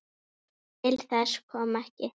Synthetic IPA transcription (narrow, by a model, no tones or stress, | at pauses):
ɪlθɛskʰɔːmɛhcɪ